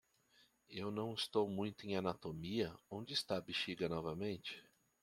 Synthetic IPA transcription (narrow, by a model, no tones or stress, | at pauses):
ewnɐ̃w̃ɪst̪owmũj̃t̪ʊẽj̃anat̪omiɐõnd͡ʒɪːst̪abiʃiɡɐnɔvɐmẽnt͡ʃɪ̥